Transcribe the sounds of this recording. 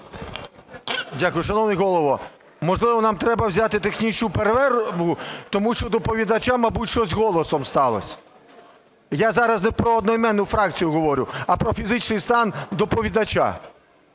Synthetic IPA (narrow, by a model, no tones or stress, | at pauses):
dʲakʊjʊʃɐnɔwnɪɦɔlˠɔʋɔ | mɔʒlˠɪʋɔnɑmt̪ɾɛbɐwzʲat̪ɪt̪exnʲit͡ʃnʊpeɾʋɛɾʋʊt̪ɔmuʃt͡ʃɔd̪ɔpɔʋʲid̪ɐt͡ʃamɐbutʲʃt͡ʃɔzʲɦɔlˠɔsɔmst̪ɑlˠɔ̰sʲ | jazɑɾɐznɛpɾɔɔd̪nɔimɛnːʊfɾɑk̚t͡sʲijʊɦɔʋɔɾʲʊɐpɾɔfʲizɪt͡ʃnɪjst̪ɑnd̪ɔpɔʋʲid̪ɐt͡ʃa̰